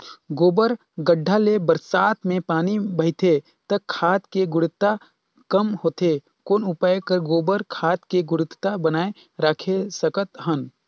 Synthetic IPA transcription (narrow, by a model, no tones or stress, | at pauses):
ɡoːbəɾ | ɡəɖʱːalebəɾsaːt̪mẽpaːnibɐɦt̪ʰe | t̪əkʰːaːt̪keɡʊɽɪt̪ːa | kəmhoːt̪e | koːnʊpaːjkəɾɡoːbəɾkʰaːt̪keɡʊɽɪt̪t̪abənaːe | ɾakʰesəkət̪ɦən